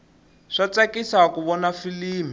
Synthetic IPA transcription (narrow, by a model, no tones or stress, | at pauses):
ʂat͡sakisaakuβɔnafiliːmi